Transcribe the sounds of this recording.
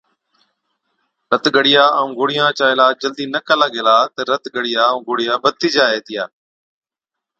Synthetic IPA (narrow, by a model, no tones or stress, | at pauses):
ɾət̪ɠəɽɪjaːəũːɡoːɽɪjãːt͡ʃaːɪlaːd͡ʒəld̪iːnəkʰaːlaːɡeːlaːt̪əɾət̪ɡəɽɪjaːũːɡoːɽijãːbət̪iːd͡ʒaːɦeːt̪ʰɪjaː